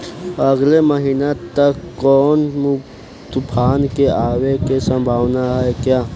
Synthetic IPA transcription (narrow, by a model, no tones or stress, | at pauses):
əɡleməɦinat̪əkːɔːnm | t̪ʊpʰaːnkeaːwekesə̃mbʱaːwnaɦɛkjaː